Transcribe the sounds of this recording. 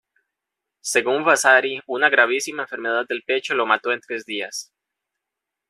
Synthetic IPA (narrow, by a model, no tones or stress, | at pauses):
se̞ɣuɱvasaɾiunaɣɾaβ̞isimaeɱfeɾme̞ð̞að̚d̪e̞lpe̞t͡ʃo̞lo̞mat̪o̞e̞nt̪ɾe̞zd̪ias